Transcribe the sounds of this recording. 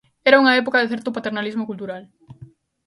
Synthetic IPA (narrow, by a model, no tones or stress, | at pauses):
ɛɾauŋɐɛp̬okaðeθɛɾt̪ʊpat̪eɾnalizmokult̪uɾal